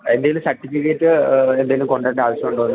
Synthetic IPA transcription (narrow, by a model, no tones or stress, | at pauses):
end̪ɐjilumsɐrʈːifːikːeːtːɨend̪ɐjilumko̞ɳɖɐːnɖeaːʋɐɕjɐmuɳɖoːnːɨ